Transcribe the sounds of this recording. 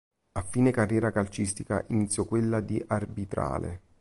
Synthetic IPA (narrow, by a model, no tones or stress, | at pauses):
afːiːnekarːjɛːɾakalt͡ʃist̪ika̰ʔinit̪sːjɔkwelːad̪iʔarbit̪ɾa̰ːlḛ